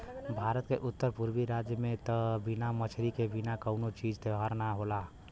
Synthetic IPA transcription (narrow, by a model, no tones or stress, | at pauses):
bʱaɾət̪keʔʊt̪ːəɾpuɾbiɾad͡ʒjəmẽt̪əbinamət͡ʃʰɾikebinakəʊnot͡ʃid͡ʒt̪eɦaɾnaɦola